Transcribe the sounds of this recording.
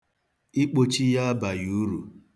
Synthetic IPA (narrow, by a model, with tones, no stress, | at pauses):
i˦k͡po˦t͡ʃi˦ja˦a˦ba˨ju˨˦ɾu˨